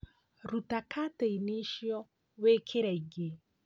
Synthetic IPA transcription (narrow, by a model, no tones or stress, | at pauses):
ɾutakʰateiniʃjɔ | wekʰeɾaiɡe